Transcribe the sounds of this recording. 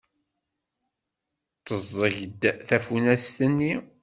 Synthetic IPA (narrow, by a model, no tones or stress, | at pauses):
t͡sːəzˤːəʝd̪θæfunæst̪ənːi